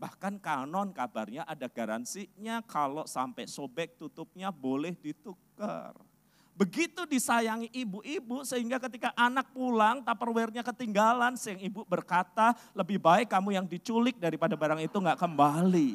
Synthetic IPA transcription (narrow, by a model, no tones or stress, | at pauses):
bahkankanɔnkabarɲaʔadaɡ̥aɾa̰nsiɲakalosampɛsobɛk̚t̪ut̪up̚ɲabolɛhdit̪ukə̰r | bəɡit̪udisajaŋiʔːbuʔibusəɦiŋɡakət̪ikaʔanak̚pulaŋt̪apərwɛrɲakət̪iŋɡalansəəŋibubərkat̪aləbɪhbaɪkːamujaŋdit͡ʃulɪk̚daɾipadabaɾaŋit̪uŋɡaʔkəmbali